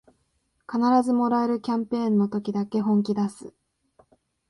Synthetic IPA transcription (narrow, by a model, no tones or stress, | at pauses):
kanaɾazɨmo̞ɾaeɾɯ̟kʲãmpẽ̞ːnːo̞t̪o̞kʲid̪ake̞ɦõ̞ŋk̬ʲid̪asɨ